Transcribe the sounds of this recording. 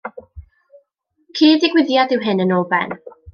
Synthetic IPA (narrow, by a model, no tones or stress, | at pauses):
kʰiːdɪɡwɪðjadɪwɦɪnənɔlˠbɛ̰n